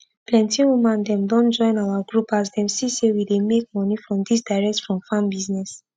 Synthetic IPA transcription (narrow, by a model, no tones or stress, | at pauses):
plɛ̃ntĩwumãndɛ̃mdɔ̃nd͡ʒɔ̃ɪ̃nawaɡɹupas̬dɛ̃msisewidemek̚mɔnifɹɔ̃mdisdaɹɛk̚tfɹɔ̃mfãmbiznɛs